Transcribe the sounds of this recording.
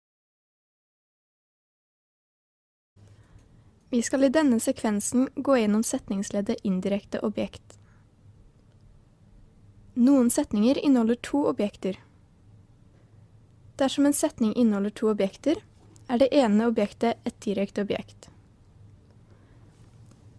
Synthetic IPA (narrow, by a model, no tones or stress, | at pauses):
ʋiːskɑliːd̪ɛnəsɛkʰʋɛnsn̩ɡoːjɛnɔmsɛt̪nɪŋsleːd̪əʔɪnd̪ɪɾɛkt̪ə̰ʔɔbjɛkt̪ | nuːən̩sɛt̪nɪŋəɾɪnəhɔləʈʰuːɔbjɛkt̪əɾ | d̪̥æʃɔmeːnsɛt̪nɪŋʔɪnɔləʈʰuːɔbjɛkt̪əɾ | æːɖeːʔeːnəɔbjɛkt̪əʔɛt̪̚d̪ɪɾɛkt̪əɔbjɛ̰kt̪